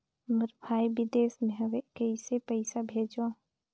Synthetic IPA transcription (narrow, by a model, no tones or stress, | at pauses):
məɾbʱaːibɪd̪eːsmẽɦəʋekəɪsepəɪsabʱeːd͡ʒã